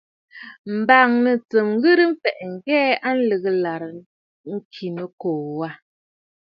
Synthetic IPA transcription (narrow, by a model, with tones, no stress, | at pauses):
m̩˨ba˨ŋnə˨t͡sə˨m˦ɣɨ˦ɾɨ˦m̩˦fɛ˨ʔŋ̩˨ɡɛː˦a˦n̩˦lə˨ɣə˦la˨ɾə˨ | ŋ̩˦kʰi˨nə˨koː˨wa˦˨